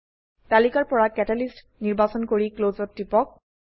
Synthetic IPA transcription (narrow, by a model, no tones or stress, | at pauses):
talikaɹpɔɹakɛtɛlist | niɹbasɔnkoɹiklozɔtːipɔk̚